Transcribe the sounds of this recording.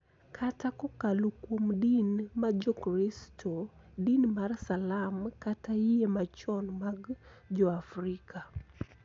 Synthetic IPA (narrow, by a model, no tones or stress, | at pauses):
kʰatakɔkalokwomdinmad͡ʒɔkɾistʰodinmarsalamkatajemat͡ʃɔnmaɡd͡ʒɔafɾikʰa